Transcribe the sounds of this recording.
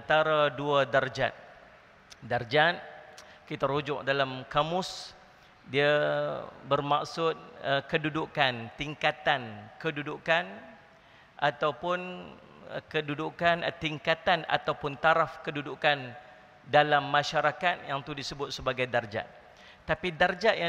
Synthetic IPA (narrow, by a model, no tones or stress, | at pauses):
ant̪aɾaduadard͡ʒa̰t̪̚ | dard͡ʒat̪̚ | kit̪aɾud͡ʒʊ̰ʔ̚dalamkamʊs | dia | bərma̰ksʊt̪̚əkədudukant̪iŋkat̪ankədudukan | ʔat̪awpʊn̰ | kədudukant̪iŋkat̪ana̰t̪awpʊnt̪aɾafkədudukan | dalamːãʃaɾakat̪̚jaŋt̪udisəbʊt̪̚səbaɡajdard͡ʒa̰t̪̚ | t̪ːapidard͡ʒaʔja